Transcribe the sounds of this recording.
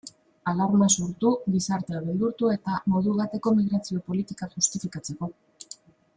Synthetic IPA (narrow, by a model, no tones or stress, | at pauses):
alaɾunasuɾt̪uɣisaɾt̪e̞aβend̪uɾt̪ue̞t̪amo̞ðuɣ̞at̪e̞ko̞miɣ̞ɾat͡sio̞po̞lit̪ikaxust̪ifikat͡se̞ko̞